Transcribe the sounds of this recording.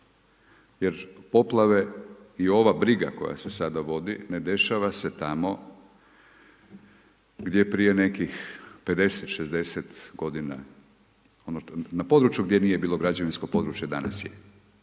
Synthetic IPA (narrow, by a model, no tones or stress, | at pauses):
jeɾpo̞plˠaʋe̞ | io̞ʋabɾiɡa̰ko̞̰ja̰se̞sad̪aʋo̞d̪ḭne̞d̪e̞ʃaʋase̞t̪amo̞ | ɡd̪je̞pɾije̞ne̞kixpe̞d̪e̞set̪ʃezd̪e̞set̪ɡo̞d̪ina | ononapo̞d̪ɾut͡ʃjuɡd̪je̞nije̞biːlˠo̞ɡɾad͡ʑʋinsko̞po̞d̪ɾut͡ʃjed̪a̰na̰sjḛ